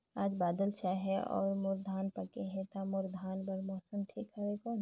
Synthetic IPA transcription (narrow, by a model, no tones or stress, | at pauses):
aːd͡ʒbaːd̪əlt͡ʃʰaɦɛɔ̰ːɾmʊɾd̪ʱaːnpɐkeɦɛt̪amʊɾd̪ʱaːnbɐɾmɔːsəmʈʰḭːkɦɛɦɛkɔːn